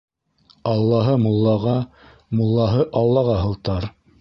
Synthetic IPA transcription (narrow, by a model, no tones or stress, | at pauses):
ɑlˠːɑɦɤmŭlˠːɑʁɑ | molˠːɑɦɤʔɑlˠːɑʁɑɦɤ̆lˠt̪ɑɾ